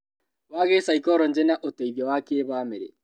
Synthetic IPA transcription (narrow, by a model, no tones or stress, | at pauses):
waɣesaikɔɾɔnd͡ʒɛnaʔoteiβjɔwakeβaːmeɾḛ